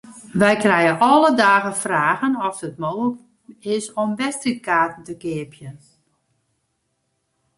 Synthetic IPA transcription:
ʋɛjkrɛjəʔɔlədaːɣəfraːɣənɔfdət̚moːɣlək | ɪsɔmʋɛstrikaːtən̩təkɪəpʰjən

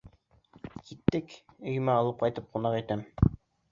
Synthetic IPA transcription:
kʰit̪ːɘkɵ̆j̆mæɑlˠɤp̚qɑjt̪ɤp̚qŏnɑqit̪æm

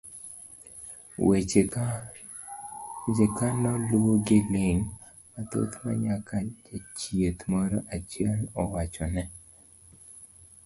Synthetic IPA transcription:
we | d͡ʒekanɔlwoɡɪlɪŋ | at̪o̰t̪ma̰ɲakʰad͡ʒat͡ʃiet̪mɔɾɔʔat͡ʃjɛlɔwat͡ʃɔnɛ

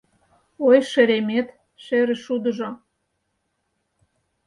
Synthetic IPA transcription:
ojʃĕɾemet̪ | ʃeɾĕʃud̪ə̆ʒo

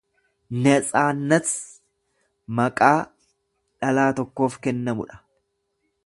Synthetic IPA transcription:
nɐt͡sʼaːnːɐs | mɐkʼaː | ᶑɐlaːt̪ɔkːo̞ːfkɛnːɐmʊ̰ᶑɐ̥

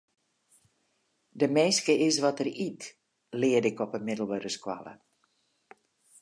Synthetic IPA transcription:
dəmeːskəɪsʋɔtərit | lɪədɪkɔpənmɪdəl̩ˠʋəɾəskwa̰lə̰

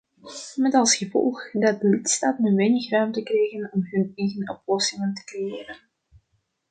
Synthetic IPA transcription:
mɛtɑlˠsxəvɔ̰lˠxdɑt̚dəlɪtstaːtnəʋɛjnəxrœːmtəkrɛjɣənɔmɦɵnɛjɣənɔplɔsɪŋəntə̥krejɪːɾən

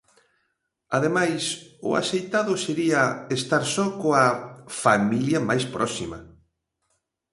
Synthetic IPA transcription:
aðemajsʊ̰a̰sejt̪aðʊseɾiɐest̪aɾsɔkoafamiljɐmajspɾʔɔsimɐ

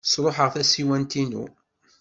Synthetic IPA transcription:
sˤɾˤoħəʁθæsiwænt̪inṵ

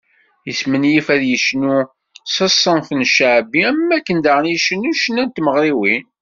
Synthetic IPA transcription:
jəsmənjifæðjəʃnu | sɑsˤːənθənʃaʕbiæmːækːənd̪aʁənjiʃənːuʃənːænt̪məʁɾiwin

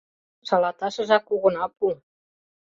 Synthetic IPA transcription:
ʃɑlɑt̪ɑʃɤ̆ʒɑkuɣɤ̆nɑpu

